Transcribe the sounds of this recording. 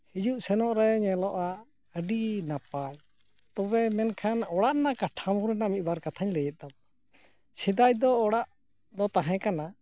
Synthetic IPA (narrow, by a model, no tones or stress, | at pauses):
hid͡ʒuʔsɛnɔʔɾɛɲɛlɔʔa | əɖinapaj | t̪ɔbɛmɛnkʰanɔɽaʔnakaʈʰamuɾɛnamit̪̚ˀbaɾkat̪ʰaɲləjɛt̪̚d̪ab | sid̪ajd̪ɔːɽaʔ | d̪ɔt̪aɦɛ̃kana